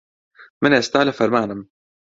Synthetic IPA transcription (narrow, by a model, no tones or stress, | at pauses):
mɪnʔst̪aːlafaɾˤmaːnam